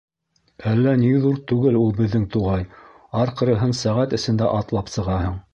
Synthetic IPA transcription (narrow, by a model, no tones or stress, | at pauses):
ælːæniðuɾt̪ʉɡɘlulˠbɘ̆ðːɘŋt̪uʁɑj | ɑɾqɤ̆ɾɤ̆ɦɤnsæʁæt̪ɘ̆sɘ̆nd̪æʔɑt̪lˠɑpsɤ̆ʁɑhɤɴ